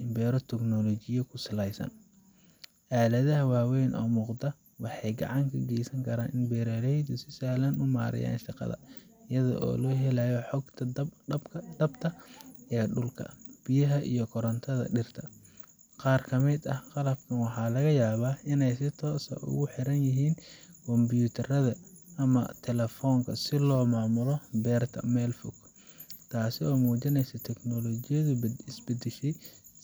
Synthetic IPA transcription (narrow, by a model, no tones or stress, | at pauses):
ɪmbɛːɾɔt̪ʰɛɡnɔlɔt͡ʃɪjɐkʰʊsɪlɛjsɐ̰n | ʔaːlɐðɐɦɐwɑːwɛjnʔɔ̰ːmʊːqd̪ɐ | wɑħɑjɡɑ̰ʕɑŋkʰɐɡɛːsɐŋkʰɐɾaːnɪnbɛːɾɛlɛjd̪ʊsɪsaːlɐnʊmaːɾɐ̰ja̰ːnʃɑqɑ̰ðɐ̰ | ɪjɐðɔ̰ʔɔ̰ːlɔːɦɛlɐjɔħɔɡt̪ʰɐbkʰd̪ɐbt̪ʰɐɛːɖʊlkʰɐ̰b̥ɪjɐɦɐʔḭjɔkʰɔɾɐnt̪ʰɐðɐ̰ɖɪrt̪ʰɐ | qɑːrkʰɐmɪd̪ɐhqɑlɐb̚kʰɐnwɑħɑːlɐɣɐjaːβaːɪnɛjsɪt̪ʰɔːsɐ̰ʔʊ̰ɣʊħɪɾɐnjɪɦiːnkʰɔmbjuːt̪ʰɐrɐðɐ | ɐmɐ̰t̪ʰɛlɛfɔːŋkʰɐsɪlɔːmaːmʊlɔbɛːrt̪ʰɐ̰mɛːlfʊɡ | t̪ʰaːsɪɔːmuːt͡ʃɪnɛjsɐt̪ʰɛknɔlɔːt͡ʃɪjɐðʊɪsbɐd̪ɪʃɛj